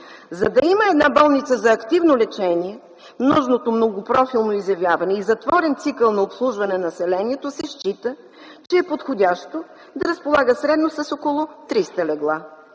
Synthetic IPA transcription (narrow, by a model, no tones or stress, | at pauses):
zɐd̪ɐiməɛd̪nabɔlˠnit̪səzɐːkt̪ivnolɛt͡ʃɛnʲiɛ | mnɔʒnot̪omnoɡopɾɔfilˠnoizjɐvʲjavɐnɛizɐt̪vɔɾɛnt̪sikəlˠnɐopslˠuʒvɐnɛnɐsɛlɛniɛt̪osɛʃt͡ʃit̪ə | t͡ʃɛːpot̪xodʲaʃt̪o | d̪ɐɾɐspolˠaɡəsɾɛd̪nosɐsokolˠot̪ɾist̪əlɛɡlˠa